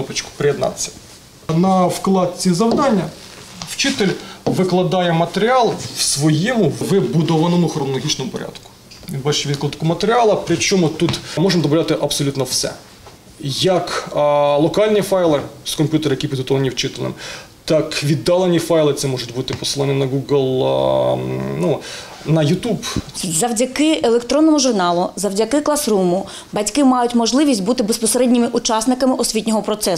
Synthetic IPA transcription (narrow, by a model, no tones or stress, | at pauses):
ɔpɐt͡ʃkʊ̥pɾɪjɛd̪nɑ̰t̪t͡sʲːɐ̥ | nɐwklˠɑd̪̚t͡sʲizɐwd̪ɑnʲːɐ | wt͡ʃɪt̪ɪlʲʋɪklˠɐd̪ɑjɛmɐt̪eɾʲɪɑlˠwsʋɔjimʊʋɪbʊd̪ɔʋɐnɔmʊxrɔnɔlˠɔɦit͡ʃnɔmʊpɔ̰ɾʲa̰d̪̥kʊ̥ | ʋʲinbɑt͡ʃʋʲid̪̚klˠɐd̪t̪kʊmɐt̪eɾʲɪɑlˠɐpɾʲɪt͡ʃɔmʊt̪ut̪mɔʒɪmd̪ɔbɔlʲɑt̪ɪʔɐbsɔlʲut̪nɔwsɛ̰ | jɐklˠɔkɑlʲnʲifɑjlˠɪskɔmʲpʲjut̪eɾɪjɐkipʲid̪ɦɔt̪ɔʋɐnʲiwt͡ʃɪt̪ɪlʲˠnɪ̰m | t̪ɑkʋʲid̪ːɑlˠenʲifɑjlˠɪt̪sɛmɔʒʊtʲbut̪ɪpɔ̥sɨlˠɔnʲinɐɡuɡlʲˠ | nu | nɐjʊt̪ubzɐwdʲɐkɪelˠekt̪ɾɔnːɔmʊʒʊrnɑlˠʊzɐwdʲɐkɪklˠɐsɾumʊ | bɐtʲkɪmɑjʊtʲmɔʒlˠɪʋʲisʲtʲbut̪ɪbespɔseɾɛdʲnʲɪmɪʔʊt͡ʃɑsnɪkɐmɪʔɔsʲʋʲitʲnʲɔɦɔpɾɔt̪sɛ